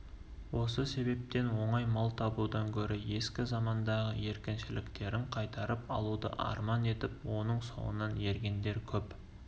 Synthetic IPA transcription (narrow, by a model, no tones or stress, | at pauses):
wʔo̞səse̞be̞p̚t̪e̞nwo̞ɴɑjmɑlˠt̪ʰɑbud̪ɑŋkʲʰɵɾɪje̞skʲɪzɑmɑnd̪ɑʁəje̞ɾkʲɪnʃɪlɪkt̪e̞ɾɪɴqʰɑjt̪ɑɾəpɑ̰lˠud̪ə̰ʔɑ̰ɾmɑne̞t̪ɪpwo̞nəɴso̞̰wə̰nɑnje̞ɾɡʲe̞nd̪e̞ɾkʲʰɵp